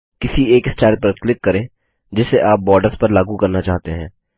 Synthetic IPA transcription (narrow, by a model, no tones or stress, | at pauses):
kɪsieːkɪsʈaːlpɐɾklɪkːɐɾẽː | d͡ʒɪsːeʔaːp̚bɔːɾɖəɾspɐɾlaːɡukɐɾnat͡ʃaːɦt̪eɦɛ̃ː